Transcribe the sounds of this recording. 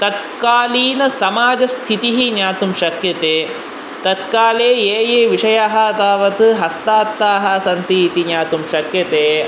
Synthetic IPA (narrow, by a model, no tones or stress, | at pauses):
t̪ɐt̪̚ | kaːliːnɐsɐmaːd͡ʒɐst̪ʰit̪iɦinjaːt̪umʃɐkjɐt̪eː | t̪ɐt̪kaːleːeːjeːʋiʂɐjaːɦɐt̪aːʋɐt̪ɨɦɐst̪aːt̪ːaːɦɐsɐnt̪iːt̪injaːt̪umʃɐkjɐt̪eː